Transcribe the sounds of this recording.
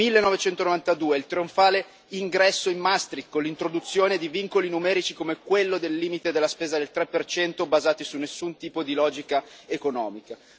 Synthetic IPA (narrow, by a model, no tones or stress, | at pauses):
milːenːɔvet͡ʃɛnt̪onovant̪ad̪uːeilt̪ɾioɱfaːle | iŋɡɾɛsːoimːast̪ɾikːonlːint̪ɾod̪ut̪sːjoːned̪iviŋkolinumɛːɾit͡ʃikomekwelːod̪elːiːmit̪ed̪elːaspeːzad̪elt̪ɾɛpːert͡ʃɛnt̪obazaːt̪isunːesːunt̪iːpod̪ilɔːd͡ʒikaekonɔːmika